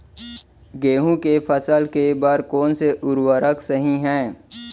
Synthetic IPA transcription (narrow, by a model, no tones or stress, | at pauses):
ɡeːɦũkefʰəsəlkebəɾkɔːnseʔʊɾwəɾəksəɦĩɦɛ̃ː